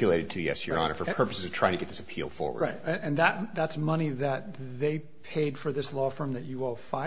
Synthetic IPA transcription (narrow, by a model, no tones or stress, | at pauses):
ɨleɪɾɨd̚tʰɨðiɛ̰sjə̰˞ɑ̰nəfə˞pʰɜ˞pəsɨz̥ɨ̥tʰɹ̥aɪ̃ŋʰtɨɡɛt̪̚ðɪsəpʰḭlˠfɔ̰ɹwə̰ɹaɪtɨɨ̃nðɨt̚ðætsmʌñiðɨt̪̚ðeɪ | pʰeɪd̥fə˞ðɪslɔfɜ̃˞mðɨt͡ʃɨɔlˠfaɪ